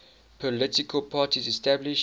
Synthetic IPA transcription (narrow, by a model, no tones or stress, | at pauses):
pʰɔlɪtɪkʰəlpʰaːtizɛstabliʃ